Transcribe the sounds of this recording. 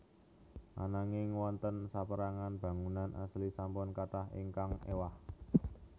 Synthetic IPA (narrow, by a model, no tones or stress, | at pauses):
ʔa̰naŋɪŋwɔnt̪ənsapəɾaŋanb̥a̤ŋunanʔa̰slisampʊnkat̪aɦḭŋkaŋḛwah